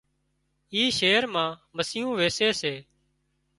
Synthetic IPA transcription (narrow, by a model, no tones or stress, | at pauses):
iːʃeːɾmãːməsiːjũːʋeːseːseː